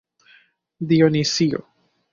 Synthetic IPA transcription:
d̪ionisio̰

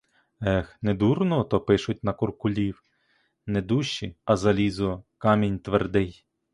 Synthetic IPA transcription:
ɛxnɛd̪urnɔt̪ɔpɪʃʊt̚ʲnɐkʊrkʊlʲiw | nɛd̪uʃt͡ʃːiɐzɐlʲizʊkɑmʲinʲt̪ʋerd̪ɪj

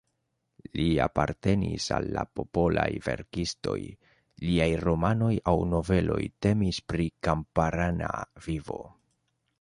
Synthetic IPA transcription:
liapaɾte̞nḭsalːapo̞po̞lajve̞̰ɾkisto̞̰j | liajɾo̞mano̞jawno̞ve̞lo̞jte̞mispɾikampaɾanavivo̞

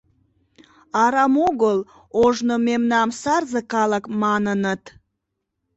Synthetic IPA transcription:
ɑɾɑmoɣəl | oʒnomemnɑmsɑrzəkɑləkmɑnənət̪

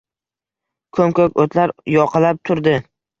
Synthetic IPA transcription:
kʰɵmkokʲot̪ʰlaɾjɒqʰɨlap̚t̪ʰʊɾd̪ɪ

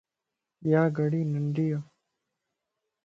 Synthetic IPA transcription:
jaːɡɐɽiːnəɳɖija

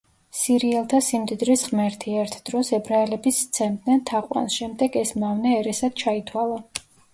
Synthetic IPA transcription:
siɾiɛlˠt̪ʰasimd̪id̪ɾisʁmɛɾt̪ʰiɛɾt̪ʰd̪̥ɾɔsɛbɾaɛlɛbist̪sʰɛmd̪nɛnt̪ʰaqʼwa̰nsʃɛmd̪ɛɡɛsmavnɛːɾɛsad̪̥̚t͡ʃʰait̪ʰwalˠa

